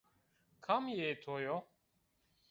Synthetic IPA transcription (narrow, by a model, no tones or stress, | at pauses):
kʰamjet̪ʰojo